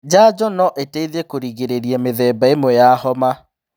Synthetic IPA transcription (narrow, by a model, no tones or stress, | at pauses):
d͡ʒaːd͡ʒɔnɔʔeteiðekoɾiɣeɾeɾjɛmeðɛbaemwɛjahɔma